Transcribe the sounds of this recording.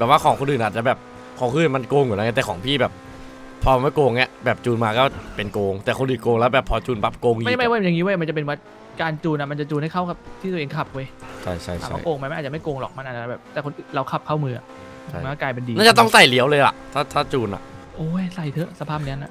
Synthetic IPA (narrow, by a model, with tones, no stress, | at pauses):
bɛː˨˩p̚waː˥˩kʰɔː˩˦kʰo˧nʔɯː˨˩nʔaː˨˩t͡ɕa˨˩bɛː˨˩p̚ | kʰɔː˨˦kʰoː˧˨˩ma˧nkoː˧ŋu˨˩˦la˧ŋa˦˥t̪ɛː˨˩kʰɔː˩˦ŋpʰiː˥˩bɛː˨˩p̚ʰː | ɔː˧˦ma˥˩jkoː˧ŋːi˦˥ɐbɛː˨˩p̚t͡ɕuː˧nmaː˧kɔː˥˩pe˧nkoː˧ŋt̪ɛː˨˩kʰo˧nʔɯː˨˩koː˧ŋlɛ˦˥wbɛː˨˩pʰɔː˧t͡ɕuː˧npa˦˥p̚koː˧ŋim˥˩jma˥˩jwa˥˩ja˨˩ŋiː˦˥waː˧˩˨ma˧nt͡ɕa˨˩pe˧nwa˧˥˩ | kaː˧nt͡ɕuː˧na˨˩ma˧nt͡ɕa˨˩t͡ɕuː˧nha˥˩jkʰa˥˩wkʰa˧˩p̚t̪ʰiː˥˩t̪ːʔe˧ŋkʰa˨˩p̚wɤ˧˦jt͡ɕʰa̰˥˩jt͡ɕʰa̰˥˩ja˩amɔ˥˩˨koː˧ŋma˧jm˧n̚ː˨˩t͡ɕma˥˩jkoː˧ŋlɔ̰˨˩k̚ma˧nʔaː˨˩t̚t͡ɕa˨˩bɛː˨˩p̚t̪ɛː˨˩ko˧nʔɯː˨˩nɾa˧˩wkʰa˨˩p̚kʰa˥˩wmɯː˧a˨˩ | ma˦˥˩kɔ˥˩klaː˧jp̬e˧ndiː˧na˥˩t͡ɕa˨˩t̪ɔ˥˩ŋsa˨˩jli˨˦əwlɤː˧jla̰˨˩ʔt̪ʰaː˥˩t̪ʰaː˥˩t͡ɕuː˧na̰˨˩ʔ | ʔoː˧˩jsa˨˩jt̪ʰɤ˦˥ʔsa˧pʰaː˥˩p̚ni˦˥ə˨na̰˧˩ʔ